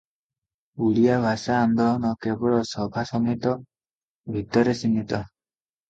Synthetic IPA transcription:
uɭijabʱasaːnd̪ɔlɔnɔkebɔɭɔsɔbʱasɔmit̪ɔ | bʱit̪ɔɾesinit̪ɔ

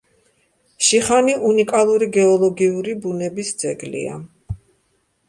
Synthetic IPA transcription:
ʃiχaniʔunikʼalˠuɾiɡɛɔlˠɔɡiuɾibunɛbisd̪zɛɡlḭa̰

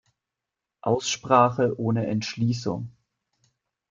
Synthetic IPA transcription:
ʔaʊsʃpʁ̥aːχəʔoːnəʔɛntʃliːsʊ̰ŋ

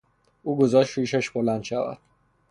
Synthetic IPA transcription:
uːɡozɒːʃʃiːʃæʃbolænd̪ʃævæ̰d̪̥

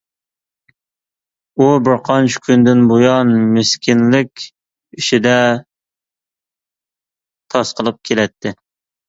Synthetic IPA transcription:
ubɪɾqʰɑnt͡ʃʰkʲʰynd̪ɪnbojɑnmɪskʲʰinlɪkʲ | iʃid̪ɛ | t̪ʰɑsqəlˠɨp̚kʲʰelɛt̪ʰːɪ

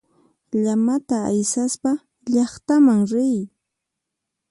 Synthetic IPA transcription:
ʎamat̪aːjsaspa | ʎɑχt̪amaŋɾɪj

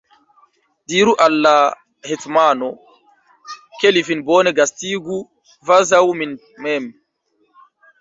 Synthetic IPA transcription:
diːɾuʔalːa | hetmano | kelivinboːneɡastiɡu | vazawmin | mɛm

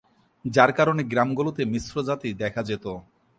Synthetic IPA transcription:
d͡ʑaɾkaɾoneɡɾamɡolot̪emisɾod͡ʑat̪id̪ɛkʰad͡ʑet̪o

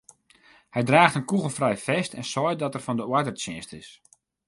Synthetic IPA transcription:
hɛjdraːxtənkuɣəlˠfrɛjfɛstʰɛnsɔj̚dɔtɛrfɔndəwədərt͡ʃɛːstɪs

